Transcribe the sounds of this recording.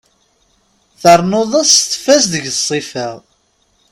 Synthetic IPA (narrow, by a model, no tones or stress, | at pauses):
θəɾˤnoðˤəðsθə̥fæsðəʝθsˤːifəʁ